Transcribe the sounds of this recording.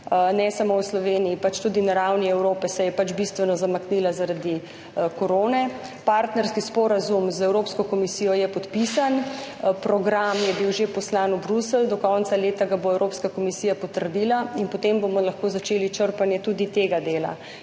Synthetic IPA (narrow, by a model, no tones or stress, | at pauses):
nɛsamowslɔʋeːniːpat͡ʃt̪ud̪inaɾawniɛwɾoːpɛsɛjɛpat͡ʃbist̪ʋɛnɔzamakniːlazaɾad̪i | koɾoːnɛ | paɾt̪nɛɾskispɔɾazumzɛwɾoːpskɔkɔmisiːjɔjɛpɔt̪pisanpɾɔɡɾamjɛbiwʒepɔslanubɾusəld̪ɔkɔnt̪saleːt̪aɡaboɛwɾʔoːpskakomisiːjapɔt̪əɾd̪iːlainpɔt̪embomɔlaxkoːzat͡ʃeːlit͡ʃəɾpanjɛt̪ud̪it̪eɡad̪eːla̰